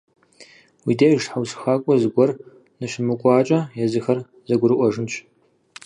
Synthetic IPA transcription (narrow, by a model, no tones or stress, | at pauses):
wideːjʒħawsxaːkʷʼɔzɨɡʷɔr | nɨʃɪmɨkʷʼɑːt͡ʃʼɐjazɨxɐr | zɐɡʷʊɾɨʔʷɔʐɨnt͡ʃʰʼ